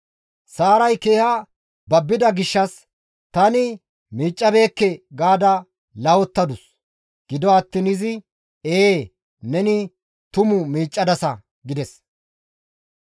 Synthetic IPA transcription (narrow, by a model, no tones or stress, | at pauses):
saːɾɐjke̞ːhɐ | bɐbːɪd̪ɐɡɪʃːɐs | t̪ɐnɪ | miːt͡ʃʼːɐbe̞ːkːɛɡaːd̪ɐ | lɐwɔt̪ːɐd̪ʊs | ɡ̥ɪd̪ɔɐt̪ːiːnɪzɪ | eː | nɛnɪ | t̪ʊmʊmiːt͡ʃʼːɐd̪ɐsɐ | ɡɪd̪ɛs